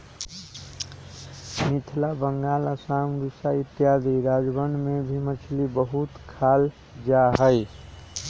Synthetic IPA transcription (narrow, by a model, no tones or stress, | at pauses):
mit̪ʰlabəŋɡalasamɡisait̪jad̪iɾad͡ʒbənmebʱimət͡ʃʰlibəɦut̪kʰal | d͡ʒaɦəj